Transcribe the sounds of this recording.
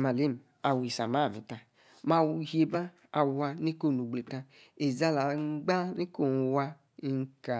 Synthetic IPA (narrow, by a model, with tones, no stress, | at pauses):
ma˨li˦m˨ | a˨wi˨sa˨ma˦˨mḭ˨ta˧ | ma˧wu˧˨hi˦e˧ba˦ | a˨wa˧ne˦ko˦˨nu˨ɡ͡ble˨tã˧ | e˨za˦la˨˦ɡ͡ba˦ne˦ko˦˨n˨wa˧˦ | ŋ˦ka˨